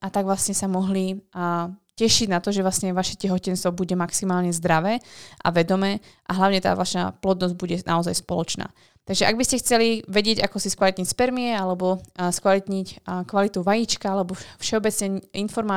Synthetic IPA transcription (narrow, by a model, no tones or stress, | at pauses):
ʔat̪aɡʋlasɲɛsamɔɦli | cɛʃiɟnat̪ɔʒɛʋlastɲɛʋaʃɛcɛɦɔcɛnst̪ʋɔbuɟɛmaksimaːlɲɛzd̪ɾaʋɛːʔa̰ʋɛd̪ɔmɛː | ʔa̰ɦlaʊɲɛt̪a̰ːʋaʃa̰plɔd̪nɔzɟ̚buɟɛna̰ɔzajspɔlɔt͡ʃna̰ː | t̪aɡʒɛʔaɡbiscɛxt͡sɛliʋɛɟɪɛɟakɔsiskʋalit̪ɲicspɛɾmiɛalɛbɔskʋalit̪ɲickʋalit̪uʋajit͡ʃkaalɛbɔfʃɛɔbɛt͡sɲɛɲinfɔɾmaː